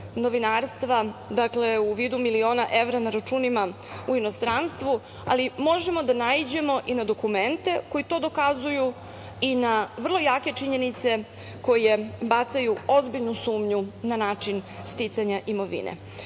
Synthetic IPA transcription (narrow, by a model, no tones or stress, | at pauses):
no̞ʋinaːɾst̪ʋad̪akle̞uʋiːd̪umilio̞ːnaʔe̞ʋɾanaɾat͡ʃuːnima | uino̞st̪ɾanst̪ʋu | a̰limo̞ʒemo̞d̪anaid͡ʑe̞mo̞ʔinad̪okument̪e̞ko̞jit̪o̞d̪o̞kazuju | inaʋrlˠo̞jaːke̞t͡ʃiɲe̞nit̪se̞ | ko̞je̞bat̪sajuo̞zbiʎnusuːmɲunanaːt͡ʂinst̪it̪saɲaʔimo̞ʋḭnḛ